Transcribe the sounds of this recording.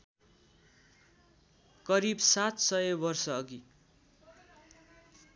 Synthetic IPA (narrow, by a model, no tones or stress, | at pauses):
kʌɾibsat̪sʌjebʌrsʌːɡi